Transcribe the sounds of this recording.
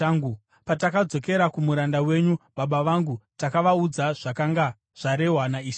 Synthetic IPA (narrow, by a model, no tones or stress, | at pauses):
aŋɡ | patakad͡zo̞ke̞ɾakumuɾandawe̞ɲuɓaɓaʋaŋɡutakaʋaud͡zaʐ̥akaŋɡa | ʐ̥aɾe̞ɦwanaiʃa